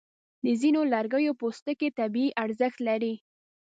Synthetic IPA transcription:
d̪əzinolaɾɡəjopost̪əket̪abiiʔaɾzəxt̪laɾi

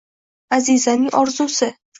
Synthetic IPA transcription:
azizanɪŋɒɾzusɪ

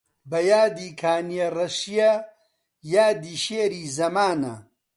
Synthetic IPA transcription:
bɐjaːd̪iːkʰaːnijɐrɐʃijɐ | jaːd̪iːʃeːɾiːzɐmaːnɐ̰

